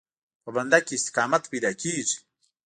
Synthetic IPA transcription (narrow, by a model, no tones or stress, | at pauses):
pɐbɐnd̪akiːst̪i̥kaːmɐt̪pid̪akʲiːʐ